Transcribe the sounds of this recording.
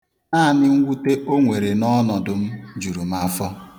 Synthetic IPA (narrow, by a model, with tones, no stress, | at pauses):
na˦˨nɪ˦ŋ̩˦ɡʷu˦te˦ʔo˦ŋʷe˨ɾe˨nɔ˦nɔ˨dʊ˨m̩˦d͡ʒu˨ɾu˨m̩˦a˦fɔ˦